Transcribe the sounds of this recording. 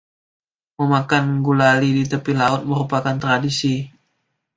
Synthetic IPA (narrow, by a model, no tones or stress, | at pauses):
məmakanɡulalidit̪əpilaʊt̪̚məɾupakant̪ɾadisi